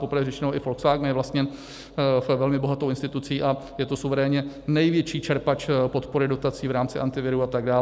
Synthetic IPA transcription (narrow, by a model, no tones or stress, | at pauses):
po̞pɾ̩vɛɾɛt͡ʃɛnowɪfolksvaːɡmjɛvlast̪ɲɛ | vɛlmɪbo̞ɦat̪owʔɪnst̪ɪt̪ut͡siːʔajɛt̪osuvɛɾɛːɲɛ | nɛjvjɛt͡ʃiːt͡ʃɛɾpat͡ʃpo̞t̪po̞ɾɪdo̞t̪at͡siːvɾaːmt͡sɪʔant̪ɪvɪɾuat̪aɡdaː